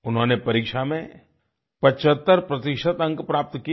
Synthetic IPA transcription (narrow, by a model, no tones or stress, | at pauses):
ʊnɦõːnepɐɾiːkʃamẽ | pɐt͡ʃət̪ːəɾpɾɐt̪ɪʃət̪ɐ̃ŋkpɾaːp̚t̪ki